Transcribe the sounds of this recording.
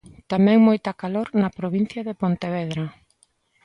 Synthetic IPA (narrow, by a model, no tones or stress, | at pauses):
t̪amɛ̃ŋmojt̪ɐkaloɾnɐpɾoβin̟θjɐðepont̪eβɛðɾɐ